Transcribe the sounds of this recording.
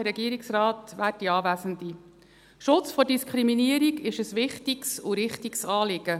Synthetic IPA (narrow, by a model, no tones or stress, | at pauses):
əɾɛɡiːəɾiksrɑːtʋæːt̚d̥iɑːʋæsəndi | ʃʊt͡sfɔdiskʰχɾiminiəɾiɡɪʃəsʋɪχtiksʊɾɪχtiksɑːlɪɡə